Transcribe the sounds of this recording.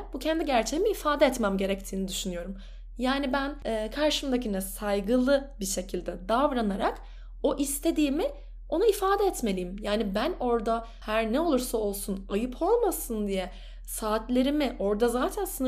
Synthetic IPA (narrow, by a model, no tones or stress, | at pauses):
bucʰɛnd̪iɟæɾt͡ʃʰeɦimiːfaːd̪ɛɛt̪mæmɟe̞ɾɛc̚t̪ʰiːnid̪yʃynyjo̞ɾum | jaːnibænɛːkʰaɾʃɯmd̪acinɛsajɡɯlˠɯbiʃe̞cʰilʲd̪ɛd̪avɾanaɾak | o̞ʔist̪ʰe̞d̪iːmɪ | o̞naifaːd̪ɛɛt̪me̞lʲijimjaːnibæno̞ɾd̪a | hæɾnɛo̞lˠuɾsao̞lˠsunajɯpʰo̞lˠmasɯnd̪ijɛ | saːt̪lʲe̞ɾimɪʔo̞ɾd̪azaːt̪ʰænsɯn